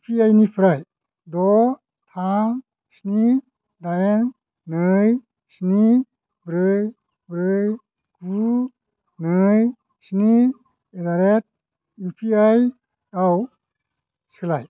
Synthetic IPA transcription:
pʰiajnipʰɾaj | dɔ | tʰaŋ | sni | dajen | nɯj | sni | bɾɯj | bɾɯj | ɡ̥u | nɯj | sni | edaɾet̚ | upʰiaj | aw | skʰlaj

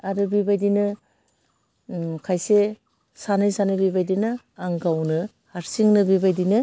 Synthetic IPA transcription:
aɾɯbibajdinɯ | kʰajse | sanɯjsanɯbibajdinɯ | aŋɡawnɯ | haɾsiŋnɯbibajdinɯ

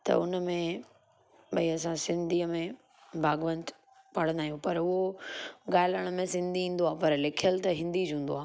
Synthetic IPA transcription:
t̪ɐ̰ʊnəmẽ | ɓɐiɐs̬ãsɪ̃nd̪ʱiːəmẽ | bʱaːɡʋə̃nt̪ | pɐɽə̃nd̪aːɦijũpɐɾʊɦoɠaːɪləɽ̃ʊmẽsɪ̃nd̪ʱiĩːn̆d̪oaːpɐɾlɪkʰjəlt̪ɐɦɪ̃n̆d̪id͡ʑũːn̆d̪oaː

